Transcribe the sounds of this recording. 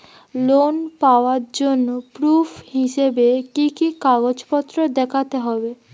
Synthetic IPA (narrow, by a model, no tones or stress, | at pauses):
lonpaoaɾd͡ʑonːopɾufʰhiʃebekikikaɡod͡ʑpɔt̪ːɾod̪ɛkʰat̪eɦɔbe